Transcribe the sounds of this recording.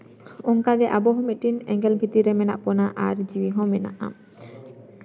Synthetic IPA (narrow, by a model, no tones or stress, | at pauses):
ɔŋkaɡɛʔabɔɦɔmeʈinɛ̰ŋɡɛlbʱit̪iɾɛmɛna̰ʔpɔnaʔaɾd͡ʑiwiɦɔ̃mɛna̰ʔa̰